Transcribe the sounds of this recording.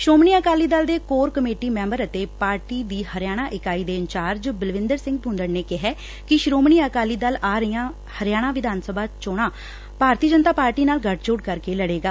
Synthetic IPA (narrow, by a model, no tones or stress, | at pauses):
ʃɾoːmɳiːəkaːliːd̪əld̪eːkoːɾkəmeːʈiːmɛ̃ːmbəɾət̪eːpaːɾʈiːd̪iːhəɾɪjaːɽ̃aːʔɪkaːiːd̪eːəɲt͡ʃaːɾd͡ʒbəlʋɪ̃nd̪əɾsɪ̃ŋɡ̚pʊ̃nd̪əɾneːkɪɦɛː | kɪʃɾoːmɳiːəkaːliːd̪əlaːɾəijãː | həɾjaːɽ̃ãːʋɪd̪ʱaːnsəbʱaːt͡ʃoːɽ̃aː | paːɾt̪iːd͡ʒənt̪aːpaːɾʈiːnaːlɡəʈʰt͡ʃoːɽkəɾkeːləɽeːɡaː